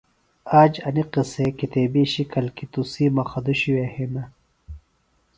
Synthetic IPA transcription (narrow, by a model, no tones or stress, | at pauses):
aːd͡ʑɐniqisekit̪eːbiːɕikʰɐlkit̪usiːmɐxɐd̪uɕiwehinɐ